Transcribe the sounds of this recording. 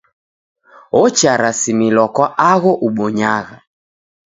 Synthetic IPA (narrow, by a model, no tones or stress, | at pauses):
ɔt͡ʃaɾasimilwakwaʔaɣɔʔuɓɔɲaɣa